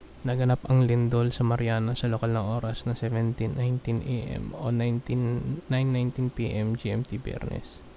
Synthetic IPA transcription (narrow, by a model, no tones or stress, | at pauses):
nɐɡɐnapɐŋlɪnd̪olsɐmɐɾjaːnɐsɐlokalnɐŋʔo̞ːɾɐsnɐsɛvɛnt̪inajnt̪inʔḛʔɛ̰mo̰nnt̪ːajnːajnt̪inpiʔɛmd͡ʒiɛmt̪ibjɛ̰ɾnʔɛ̰s